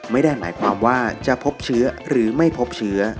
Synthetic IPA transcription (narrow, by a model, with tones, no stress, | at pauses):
ma˥˩jda˥˩jmaː˩˦jkʰwaː˧mwaː˥˩t͡ɕa˨ʔpʰo˦˥p̚t͡ɕʰɯ˦˥ɐɾɯː˩˦ma˥˩jpʰo˦˥p̚t͡ɕʰɯ˦˥ɐ